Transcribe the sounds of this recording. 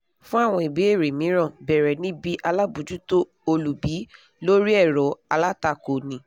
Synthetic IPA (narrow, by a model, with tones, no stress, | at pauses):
fũ˦a˦˨w̃ɔ̃˧i˨be˨˦e˦˨ɾe˨mĩ˨˦ɾ̃ã˦˨bɛ˨ɾɛ˨nĩ˦bi˦ʔa˧la˦bu˨˦d͡ʒu˦to˦ | o˧lu˨bi˨˦ | lo˦ɾi˦ɛ˦˨ɾɔ˨˦a˧la˦ta˧˨ko˨nĩ˨˧˦